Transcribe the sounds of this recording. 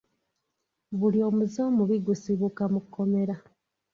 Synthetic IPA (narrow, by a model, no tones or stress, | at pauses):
βulio̞ːmuzo̞ːmuβiɡusiβukamukʰːo̞me̞ɾa